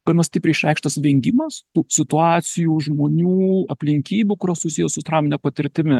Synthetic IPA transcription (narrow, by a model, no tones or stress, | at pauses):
pʲɐnost̪ʲiːpʲɾʲɪʃʲɾʲɛɪkʃt̪ɐsʋʲɛŋʲɡʲɪmɐst̪uːsʲɪt̪ʊɑːt̪sʲɪjuːʒmoːnʲuːɐpʲlʲɪŋʲkʲiːbʲuːkʊɾʲɐsʊsʲiːjɛsʊt̪ɾɑːmnʲɛpɐt̪ʲɪɾʲt̪ʲɪmʲɪ